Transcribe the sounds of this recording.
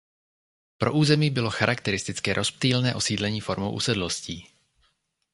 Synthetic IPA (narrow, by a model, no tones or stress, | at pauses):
pɾʔoʔuːzɛmiːbɪloxaɾʔakt̪ɛɾɪst̪ɪt͡skɛːɾʔosp̚t̪iːlnɛːʔosiːd̪lɛɲiːfoɾmo̰wʔṵsɛd̪losciː